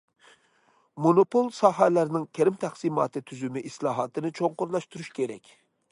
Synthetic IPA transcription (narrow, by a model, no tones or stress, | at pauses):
monopolˠsɑɦælæɾnɪŋkʲʰæɾɪmt̪ʰæχsimɑ̰ːt̪ʰɨt̪ʰyzymɪʔislˠɑːɦɑːt̪ʰɨnɨt͡ʃʰoŋqʊɾlˠɑʃt̪uɾuʃkʲʰeɾɛ̰kʲ